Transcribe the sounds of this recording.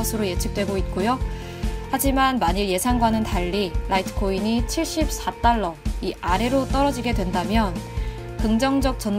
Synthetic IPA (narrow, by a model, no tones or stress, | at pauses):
ʌsʰɯɾoje̞t͡ɕʰɯk̚t͈we̞ɡoit̚k͈ojo | had͡ʑimanmaɲiɭje̞sʰaŋɡwanɯntaʎːiɾʔaitʰɯ̥kʰoinit͡ɕʰiɭɕ͈ip̚s͈at͈aɭːʌiʔaɾe̞ɾot͈ʌɾʌd͡ʑiɡe̞dwe̞ndamjʌn | kɯŋd͡ʑʌŋd͡ʑʌk̚t͡ɕ͈ʌn